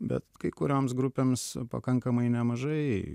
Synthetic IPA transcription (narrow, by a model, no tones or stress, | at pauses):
bʲɛ̰t̪kɐɪkʊɾʲoːmsɡɾʊpʲeːmspɐ̰kɐŋkɐmɐɪnʲɛmɐʒɐɪ